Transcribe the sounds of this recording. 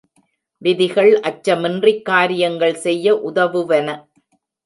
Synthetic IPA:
ʋɪðɪɣɐɭʔɐt͡ʃːɐmɪndrɪkːaːɾɪjɐŋɡɐɭsɛjːɐʔʊðɐʋɯʋɐnɐ

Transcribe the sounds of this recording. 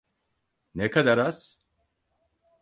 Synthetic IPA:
nekʰad̪aɾas

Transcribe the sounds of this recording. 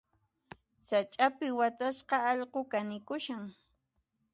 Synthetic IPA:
sat͡ʃʼapɪwat̪asqɑɑʎqokanɪkʊʃaŋ

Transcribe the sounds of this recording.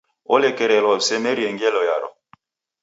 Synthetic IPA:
olekɛɾɛlɔsɛmeɾiɛŋɡɛlɔjaɾɔ̰

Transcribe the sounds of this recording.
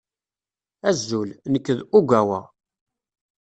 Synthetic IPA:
æzːulnəkːəðuɡʷæwæ̰

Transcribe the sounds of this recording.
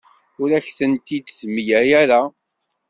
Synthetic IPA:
ʊɾæçθənt̪id̪zmjæjæɾa

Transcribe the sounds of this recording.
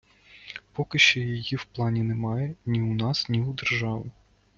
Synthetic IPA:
pɔkɪʃt͡ʃɔjijiwplˠɑnʲinɛmɑjɛnʲiʊnɑsnʲiud̪erʒɑʋɪ

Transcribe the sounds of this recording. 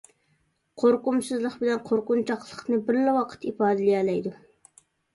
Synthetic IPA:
qʰoɾqʊmsɨzlˠəqbɪlɛnqʰoɾqʊnt͡ʃʰɑqlˠəqnɨbɪɾlɛwɑqʰə̥t̪ipɑːd̪ɨlijɛlɛjd̪u

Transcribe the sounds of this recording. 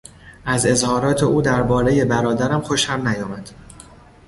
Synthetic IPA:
ʔæze̞zhɒːɾɒːt̪ʰe̞ʔuːd̪æɾbɒːɾe̞je̞bæɾɒːd̪æɾæmxo̞ʃhæmnæjɒːmæd̪̥

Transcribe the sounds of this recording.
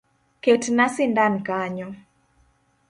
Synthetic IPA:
ketnasɪndankaɲɔ

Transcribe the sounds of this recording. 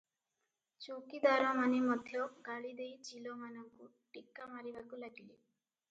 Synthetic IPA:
t͡ʃukid̪aɾɔmanemɔd̪ʱjɔɡaɭid̪ejd͡ʒilɔmanɔŋku | ʈikːamaɾibakulaɡile

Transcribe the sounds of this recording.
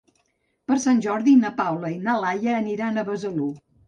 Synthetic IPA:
pəɾsanʲʒɔɾðinəpawləinalajəːniɾanəβəzəlu

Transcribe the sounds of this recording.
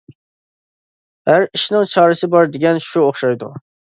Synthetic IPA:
hæɾiʃnɨŋt͡ʃʰɑːɾɨsɪbɑɾd̪eɡʲɛnʃuoχʃɑjd̪ṵ

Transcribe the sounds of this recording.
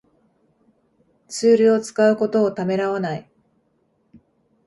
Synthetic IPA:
t͡sɨːɾɯ̟o̞t͡sɨ̥kaɯ̟ko̞t̪o̞ːt̪ame̞ɾaβanai

